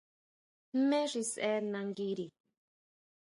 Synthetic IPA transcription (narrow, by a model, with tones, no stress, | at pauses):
mẽ˦ʐi˧sɛ˦nã˨˧ŋɡi˦ɾi˨